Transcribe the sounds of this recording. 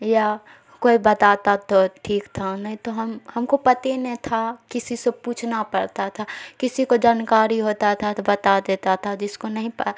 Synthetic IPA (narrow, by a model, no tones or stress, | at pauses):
ja | koːibɐt̪aːt̪at̪oʈʰiːkt̪ʰanɐɦĩt̪oɦɐmhɐmkopɐt̪enɐɦĩt̪ʰakɪsisepuːt͡ʃʰnapɐɽt̪at̪ʰakɪsikod͡ʒaːnkaːɾiɦoːt̪at̪ʰabɐt̪ad̪eːt̪at̪ʰad͡ʒɪskonɐɦĩp